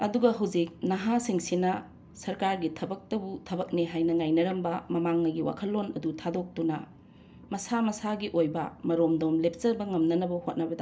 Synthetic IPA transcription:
ɐduɡɐɦɐwd͡ʒik̚nɐɦasiŋsinɐ | sɐɾkaɾɡitʰɐbɐk̚tɐbutʰɐbɐk̚neɦajnɐŋajnɐɾɐmbɐmɐmaŋnɐɡiwa̰kʰɐlːonɐdutʰadok̚tunɐ | mɐsamɐsaɡiʔojbɐ̰mɐɾomdomlep̚t͡ʃɐbɐŋɐmnɐnɐbɐhot̚nɐbɐda

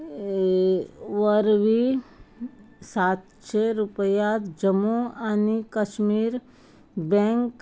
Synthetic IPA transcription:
ʋəɾʋi | saːt̪ | t͡ʃʰeɾʊpəjat̪d͡ʒəmuanikəʃmiːɾ | bɛ̃ŋk

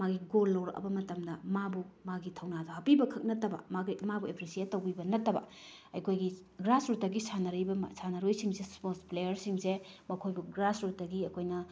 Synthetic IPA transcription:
maɡiɡolːɐwɾɐ̰kɐ̰bɐmɐtɐmdɐmabumaɡitʰɐwnadɐhɐpibɐkʰɐk̚nɐtːɐbɐ̰maɡimabuepɾisietːɐwbibɐnɐtːɐbɐ̰ɐjkʰojɡi | ɡɾasɾutːɐɡisanɐɾijbɐmsanɐɾojsiŋsesposplejɐɾsiŋsemɐkʰojbuɡɾasɾutːɐɡiɐkʰojnɐ

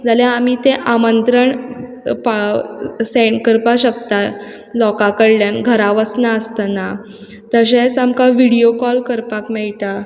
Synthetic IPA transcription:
d͡zaljãamiːt̪eʔamənt̪ɾəɳ | paseɳkəɾpaɕəkt̪a | lɔkakəɽljanɡʱəɾaʋəsnaəst̪ana | t̪əɕẽsamkaʋiɽijokɔlkəɾpakmɛɭʈ̪a

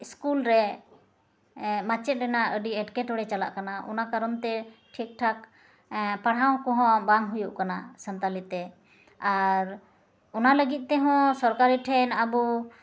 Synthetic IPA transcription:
iskulɾɛ | mat͡ʃɛt̪̚ɾɛnaʔəɖiɛʈkɛʈɔɽɛt͡ʃala̰ʔkanaʔɔ̰nakaɾɔnt̪ɛʈʰik̚ʈʰak̚ | paɽɦaw̃kɔɦɔ̃baŋɦujuʔkanasənt̪alit̪t̪ɛ | aɾ | ɔnaləɡit̪̚ˀt̪ɛɦɔ̃sɔɾkaɾiʈʰɛnabu

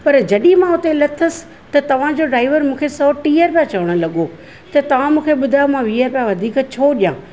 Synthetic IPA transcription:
pɐɾd͡ʑɐɗimãʊt̪elɐt̪ʰəs̆ | t̪ɐt̪ɐʋ̤ãd͡ʑoːɖɾaːɪʋəɾmũːkʰesɔːʈiːəɾpjãt͡ɕɐʋəɽ̃ʊlɐɠo | t̪ɐt̪ɐʋ̤ãmũːkʰeɓʊd̪ʱamãʋiːəɾpjãʋɐd̪ʱiːkt͡ɕʰoːɗijãː

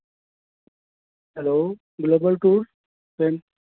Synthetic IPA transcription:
hɛloː | ɡloːbəlʈuːɾs | pem

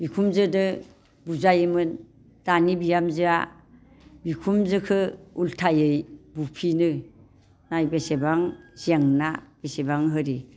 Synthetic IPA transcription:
bikʰumzɯdɯ | buzajɯmɯn | d̥anibijamzɯa | bikʰumzɯkʰɯultʰajɯjbupʰinɯ | najbesebaŋziaŋnab̥esebaŋɦɯɾi

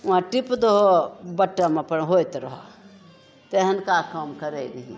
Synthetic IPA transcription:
ʋãʈipd̪oɦobɐʈːamãpɐɽɦoːjt̪ɾɐɦo | t̪eɦɐnkakɐmkɐɾeɡɐɦḭ̃

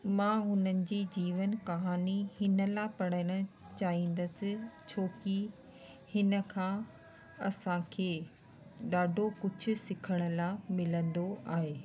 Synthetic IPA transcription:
mãːɦʊnənɪ̆d͡ʑiːd͡ʑiːʋənkɐɦaːnihɪnə̆lapɐɽəɽ̃ə | t͡ɕaːɦĩːn̆d̪əsɪ̆t͡ɕʰoːki | hɪnə̆kʰãː | ɐsãkʰeː | ɗaːɖʱokʊd͡ʑʱʊ̆sɪkʰəɽ̃ə̆lamɪlə̃nd̪oʔaːɦeː

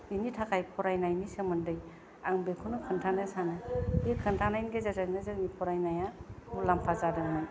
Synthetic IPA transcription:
initʰakʰajpʰɔɾajnajnisɯmɯndɯj | aŋbekʰunukʰɯntʰanɯsanɯikʰɯntʰanajnɡezazanezanipʰɔɾajnajabulampʰazadɯŋman

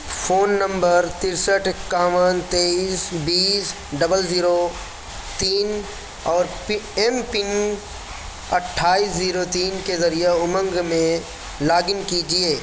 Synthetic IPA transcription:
fʰoːnːə̃mbəɾt̪ɪɾsəʈʰkːaːʋənt̪eːiːsbiːs | ɖɐbəlziːɾo | t̪iːn | ɔːɾ | ɛmpɪŋ | ɐʈʰːaːiːsziːɾot̪iːnkezɐɾijeʊmə̃ŋɡmẽ | laːɡɪnkid͡ʒieː

